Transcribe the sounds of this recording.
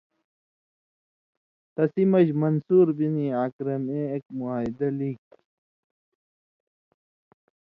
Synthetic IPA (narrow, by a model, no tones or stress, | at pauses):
t̪ɐsimɐʑmɐnsuːɾbiniaːkɾɐmeek̚muaːjd̪ɐlik